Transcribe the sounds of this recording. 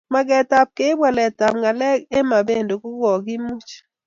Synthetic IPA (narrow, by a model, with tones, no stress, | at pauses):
ma˦ɡɛ˨ta˨p̚ke˦bwa˨lɛ˨ta˨pŋa˨lɛ˦ɡe˦ma˨be˦ndo˨kʊ˦ɡɔ˨ɡɪ˦mu˦t͡ʃ